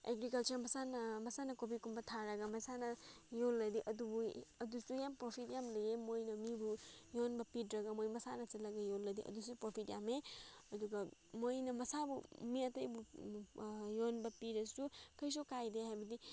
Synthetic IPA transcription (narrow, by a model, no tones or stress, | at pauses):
ḛɡɾikɐlt͡ʃɐɾmɐsanmɐsanɐkopikumbɐtʰaɾaɡamɐsanɐjolːɐdiʔɐdubuɐdusujampɾopʰitjamlɐjemojnɐmibujonbɐpitɾɐɡamojmɐsanɐt͡ʃɐlɐɡɐjolːɐdiʔɐ̰dusupɾopʰitjameɐduɡamojnɐmɐsabṵmiɐtɐjbu | jonbɐpiɾɐsukʰɐjs̬ukajdeɦajbɐdi